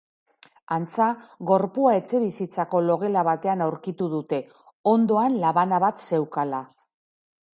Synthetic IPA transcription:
ant͡saɣo̞ɾpuae̞t͡se̞βisit͡sako̞lo̞ɣ̞e̞laβ̞at̪e̞anawɾkit̪uðut̪e̞ | o̞nd̪o̞anlaβanaβat̪se̞wkala

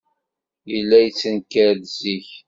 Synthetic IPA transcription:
jilːæjət͡sːənkæɾðziç

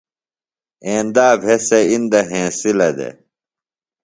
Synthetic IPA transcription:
ẽːnd̪aːbʱeseind̪ɐɦẽːsilɐd̪ḛ

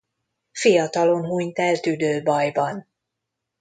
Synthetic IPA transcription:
fijɒt̪ɒlo̞nɦuɲt̪ɛlt̪yd̪øːbɒjbɒn

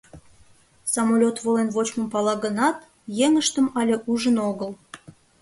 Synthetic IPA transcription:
sɑmolʲot̪βolenβot͡ɕmə̆mpɑlɑɣənɑt̪ | jeŋəʃt̪əmɑlʲeʔuʒənoɣəl

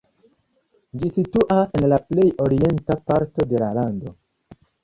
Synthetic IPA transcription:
d͡ʒisituʔase̞nlaple̞jo̞ɾie̞ntapaɾto̞de̞lalando̞

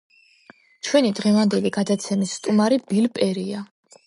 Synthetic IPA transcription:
t͡ʃʰwɛnid̪ʁɛvand̪ɛliɡad̪at̪sʰɛmisːt̪ʼumaɾibilpʼɛɾia

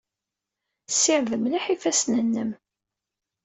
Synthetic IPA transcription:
sːɪʕðəmliħifæsnənːəm

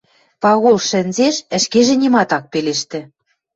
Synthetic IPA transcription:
pɑɣolʃɘ̆nʲzeʃɘ̆ʃkeʒĕnʲimɑt̪ɑk̚peleʃt̪ɘ̆

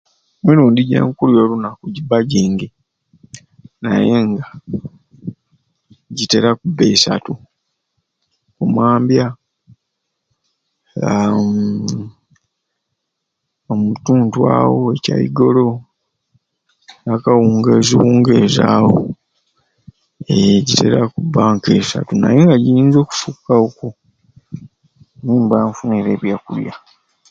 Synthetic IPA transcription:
miɾuːndiɟḛːŋkuljo̞lunakuɟibaɟiːŋɡe | naje̞ŋɡa | ɟite̞ɾakubesa̰tu | kumaːmbja | omutuːntwa̰ːwoeca̰jḭɡo̞lo̞ | nakawuːŋɡeziwuːŋɡezaːwo̰ | eɟite̞̰ɾakubaːŋke̞sa̰tuna̰jeŋɡaɟiiːnzo̞ːku̥fukːawoko | niːmbaːɱfuneɾe̞βjakulja̰

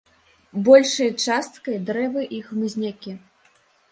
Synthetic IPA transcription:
bɔlʲʂɐjt͡ʂast̪kɐjd̪ɾɛvɨʔixmɨzʲnʲakʲi

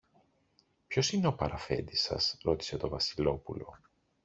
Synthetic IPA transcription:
pço̞sine̞o̞pɐɾɐfe̞̰nd̪isɐ̰sɾo̞t̪i̥se̞t̪o̞vɐsilo̞pulo̞̰

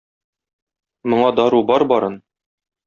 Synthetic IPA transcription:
mŏɴɑd̪ɒɾubɒɾbɒɾɤn

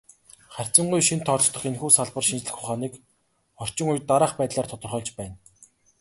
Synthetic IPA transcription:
χær̥ʲt͡sə̆ɴɢujʃint̪ʰːɔɮɞ̆χt̪ʰɞ̆χenxuːsaɮpə̆rʃint͡ɕɮɘ̆xχʊχaːniːk | ɔr̥t͡ɕɪ̆ŋujt̪aɾaːχpæːt̪ɮaːrt̪ʰɔt̪ɞ̆rχœːɮt͡ɕpæːn

